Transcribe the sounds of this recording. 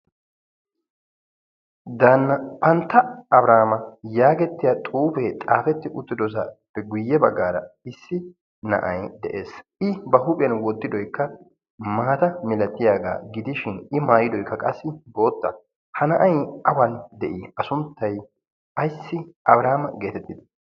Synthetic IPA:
d̪aːnːɐpɐnt̪ːɐɐbɾaːmɐjaːɡɛt̪ːɪjat̪ʼuːfɛt̪ʼaːfɛt̪ːɪʔʊt̪ːɪd̪ɔs̬ɐpːɛɡʊjːɛbɐɡːaːɾɐ̰ɪsːɪ | nɐ̰ʔɐ̰jd̪ɛʔḛːsʔɪbɐhʊpʼɪjɐnwɔd̪ːɪd̪ɔjkːɐ | maːt̪ɐmɪlɐt̪ːɪjaːɡa̰ːɡɪd̪ɪʃɪnɪmaːjɪd̪ɔjkːɐkʼɐsːɪbo̞ːt̪ːɐ̰ | hɐnɐʔɐjɐbɐnd̪ɛʔɪɐsʊnt̪ːɐj | ɐjsːɪʔɐ̰bɾaːmɐɡe̞ːt̪ɛt̪ːɪd̪

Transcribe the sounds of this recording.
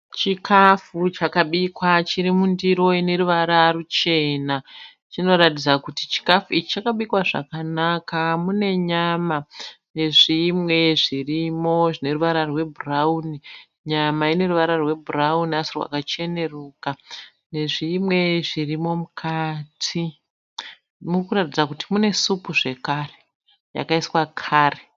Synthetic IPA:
t͡ʃikʰafut͡ʃakaɓikwat͡ʃiɾimundiɾo̞ine̞ɾuʋaɾarut͡ʃe̞na | t͡ʃino̞ɾatid͡zakutit͡ʃi̥kafuit͡ʃit͡ʃakaɓikwaʐa̰kanakamune̞ɲama | ne̞ʐimwe̞ʐirimo̞ʐine̞ruʋaɾarwe̞bʱurauni | ɲamaine̞ruʋaɾarwe̞bʱurauniasirwa̰kat͡ʃe̞ne̞ruka | ne̞ʐimwe̞ʐirimo̞mukʰatʰi | murkuɾatid͡zakutimune̞supuʐe̞kare | ja̰kaiswakʰaːre

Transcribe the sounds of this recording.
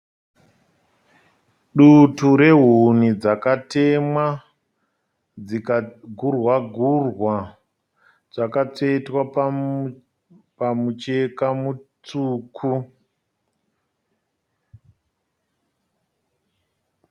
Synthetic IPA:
ɗutuɾe̞ɦunid͡zakate̞mwa | d͡zikaɡʱurwaɡʱurwa | d͡zakat͡seitwa | pamut͡ʃe̞kamut͡suːkʰu

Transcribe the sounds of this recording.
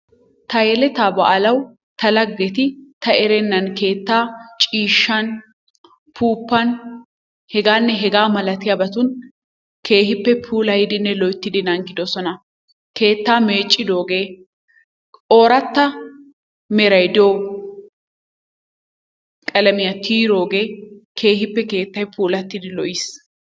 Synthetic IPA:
t̪ɐjɛlɛt̪aːbɐ̰ʔɐlɐw | t̪ɐlɐɡːɛt̪ɪt̪ɐɛɾɛnːɐnke̞ːt̪ːaːt͡ʃʼiːʃːɐn | pʰuːpːɐn | hɛɡaːnːɛɦɛɡaːmɐlɐt̪ɪjɐbɐt̪ʊn | kʰe̞ːɦɪpːɛpʰuːlɐjɪd̪ɪnːɛlɔjt̪ːɪd̪ɪnɐŋɡɪd̪ɔsɔnɐ | ke̞ːt̪ːaːme̞ːt͡ʃʼːɪd̪o̞ːɡe̞ː | o̞ːɾɐt̪ːɐ | mɛɾɐjd̪oː | kʼɐlɐmɪjɐt̪ʰiːɾo̞ːɡe̞ːkʰe̞ːhɪpːɛke̞ːt̪ːɐjpʰuːlɐt̪ːɪd̪ɪlɔʔɪs

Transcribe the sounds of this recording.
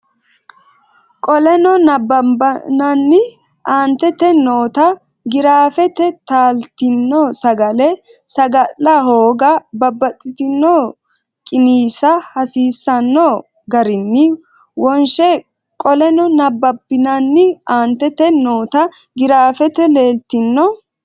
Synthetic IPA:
kʼɔlɛnɔnɐbːɐbɐnɐnːɪ | ʔaːnt̪ɛt̪ɛnoːt̪ɐ | ɡɪɾaːfɛt̪ɛt̪aːlt̪ɪnːɔːsɐɡɐlɛ | sɐɡɐlːɐɦoːɡɐbɐbːɐt̪ʼːɪt̪ɪnːoː | kʼɪniːsɐhɐsiːsːɐnːɔ | ɡɐɾɪnːɪ | wɔnʃɛ | kʼɔlɛnɔnɐbːɐbɪnɐnːɪaːnt̪ɛt̪ɛnoːt̪ɐ | ɡɪɾaːfɛt̪ɛleːlt̪ɪnːɔ

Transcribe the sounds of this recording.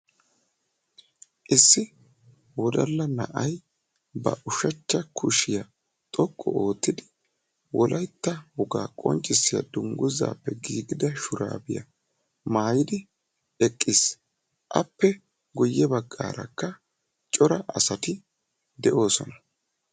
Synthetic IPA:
ʔɪsːɪ | wɔd̪ɐlːɐnɐ̰ʔɐj | bɐ̰ʔʊʃɐt͡ʃːɐkʰʊʃɪjɐ | t̪ʼɔkʼːɔ̰o̞ːt̪ːɪd̪ɪ | wʔɔlʔɐjt̪ːɐhʊɡaːkʼɔ̰nt͡ʃʼɪsːɪjɐ̰d̪ʊŋɡʊza̰ːpːɛɡiːɡɪd̪ɐʃʊɾa̰ːbɪjɐ̰ | maːjɪd̪ɪ | ɛkʼːɪs | ʔɐpːɛ | ɡɔjːɛbɐɡːa̰ːɾɐ̰kːɐ | t͡ʃʼɔɾɐʔɐsɐt̪ɪ | d̪ɛʔo̞ːsɔnɐ̥

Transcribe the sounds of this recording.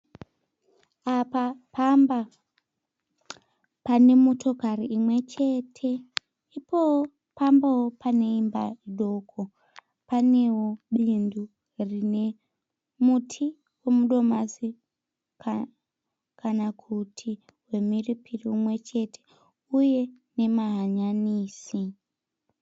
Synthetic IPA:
apapamba | pane̞mutʰo̞kariimwe̞t͡ʃe̞tʰe̞ | ipo | pambawopane̞imba̰iɗo̞kʰo | pane̞woɓindu | rine̞ | mutʰi | we̞muɗo̞masi | k | kanakʰutʰi | we̞miripʰiriumwe̞t͡ʃe̞tʰe̥ | uje̞ | ne̞maɦaɲaniːsi

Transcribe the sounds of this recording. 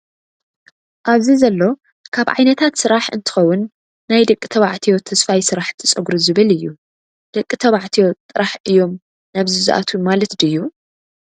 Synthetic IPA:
ʔaβzizɐlːo̞ | kʰaβʕa̰jnɐt̪ʰat̪sɨɾaħɨ̰nt̪ʰɨ̥xɐwːʊnː | ajd̪ɐkʼːi̥t̪ʰɐβaʕt̪ʰijo̞t̪ʰɐsfajsɨɾaħnt̪ʰɨt͡sʼɐɡɾɨzɨβɨlɨjːu | d̪̥ɐkʼːit̪ʰɐβaʕt̪ʰijo̞t̪ʼɨɾaħʔɨjːo̞m | naβzɨzɐ̰ʔa̰t̪ʰumalɐt̪d̪ɨjːu

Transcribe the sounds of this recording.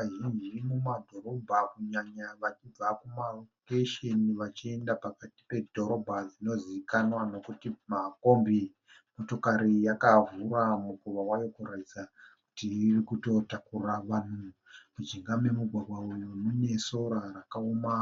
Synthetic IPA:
aʒind͡ʒimumadʱo̞ɾo̞bʱakuɲaɲaʋat͡ʃib͡vakumalokeʃeniʋat͡ʃie̞ndapakati̥pe̞dʱo̞ɾo̞bʱad͡zino̞ziikanwano̞kutimako̞mbi | mo̞to̞kaɾijakavuramukuʋawajo̞kuɾatid͡zaku̥tiirikuto̞takuraʋan̤u | kud͡ʒiŋɡame̞muɡʱwaɡʱwaujunune̞so̞ɾarakaoma

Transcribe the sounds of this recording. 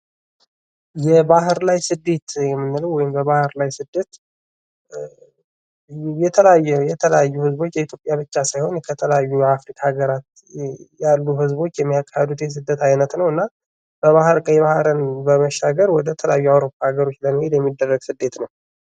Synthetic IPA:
jɛbaɦɨɾlajsɨd̪ːe̞t̪jɛmːɨnːɨləwːɔjɪmbəβahɨɾlajsɨd̪ːet̪ | jɛt̪ʰələajːɛjɛt̪ʰələjajːuhɨzbo̞t͡ʃːjɛit̪ʰjo̞pʼjaβɨt͡ʃːasajho̞nkʰət̪ʰələjajːujafɾikʰaaɡəɾat̪ | jalːuhɨzbo̞t͡ʃːjɛmːijakʰʼːahəd̪ut̪jɛs̬ɨd̪ːət̪ʰajnət̪nəwɨnːa | b̥əβahɨɾkʼəjɛβahɾɨnbəməʃːaɡəɾwɔd̪ət̪ʰələjajːuawɾo̞pʰːahaɡəɾo̞t͡ʃːləmɨhe̞d̪jɛmːid̪ːərːəɡsɨd̪ːe̞t̪nəw

